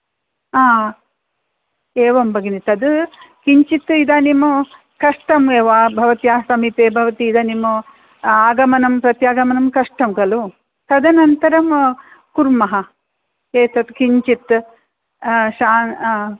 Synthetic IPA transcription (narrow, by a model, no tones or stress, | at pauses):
aː | eːʋɐmbɐɡinit̪ɐd̪ɨkiɲt͡ʃit̪ːid̪aːnimːu | kɐʂʈɐmeːʋaːbʱɐʋɐt̪jaːsɐmip̪eːbʱɐʋɐt̪iːd̪ɐːnimːu | aːɡɐmɐnɐmpɾɐt̪jaːɡɐmɐnɐmkɐʂʈɐmkɐlu | t̪ɐd̪ɐnɐnt̪ɐɾɐm | kuɾmɐɦɐ | keːt̪ɐt̪kiɲt͡ʃit̪ | ʃaːn